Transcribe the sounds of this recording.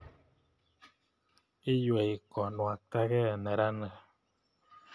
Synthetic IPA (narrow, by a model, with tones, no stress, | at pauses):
i˦je˨i˨kɔ˨nwa˨ka˦ɣɛ˦˨nɛ˨ɾa˦nə˨